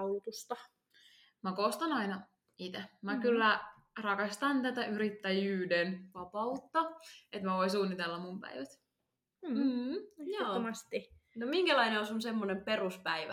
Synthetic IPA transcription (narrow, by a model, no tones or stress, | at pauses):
ut̪ust̪ɑ | mækost̪ɑnɑinɑ | it̪emækylːæ | rɑkɑst̪ɑnt̪æt̪æʔyɾit̪ːæjyːdenʋɑpɑut̪ːɑet̪mæʋoisuːnːit̪elːɑmumpæ̰iʋæt̪ː | m̩ːjɑːmɑst̪inomiŋkælɑineosunsemːonemperuspæiʋæ̰